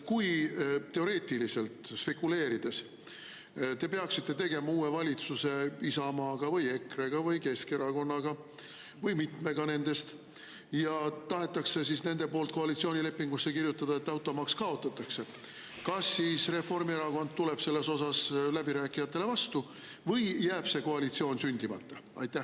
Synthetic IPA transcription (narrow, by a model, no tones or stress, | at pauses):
kujt̪e̞o̞ɾe̞ːt̪ilise̞lt̪spe̞kːule̞ːɾid̪̥e̞s | t̪e̞pe̞ɑksit̪ːe̞t̪e̞ɡ̥e̞mɑuːevɑlʲit̪suse̞isɑmɑːɡ̥ɑvɯje̞kre̞ɡ̥ɑvɯjke̞ske̞ɾɑko̞nːɑɡ̥ɑ | vɯjmit̪ˑme̞ɡ̥ɑne̞nd̪̥e̞st̪ | jɑt̪ɑɦe̞t̪ːˑɑkse̞sisne̞nd̪̥e̞po̞ːlt̪̚ko̞ɑlʲit̪sio̞ːnʲile̞pːiŋɡ̥usːe̞kirjut̪ːˑɑd̪̥ɑe̞t̪ːˑɑwt̪ˑːo̞mɑkskɑo̞t̪ːˑɑt̪ːˑɑkse̞ | kɑsːiːsre̞fo̞rmie̞ɾɑko̞nd̪̥̚t̪ule̞b̥se̞lːe̞so̞sɑslæbiɾæːkˑːijɑt̪ːˑe̞le̞vɑst̪u | vɤjjæːb̥se̞ko̞ɑlʲit̪sio̞ːnsynʲd̪imɑ̰t̪ːˑɑɑ̰jt̪ˑːæh